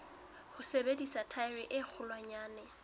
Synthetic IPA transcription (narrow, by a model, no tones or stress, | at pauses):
hʊsebedisatʰaɪriʔɪk͡xʰʊlwaɲaːnɛ